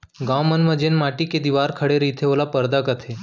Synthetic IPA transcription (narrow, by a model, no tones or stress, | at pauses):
ɡãwmənməd͡ʑenmaʈiːked̪iʋaɾkʰəɽeɾit̪ʰeʋlapəɾd̪akat̪ʰe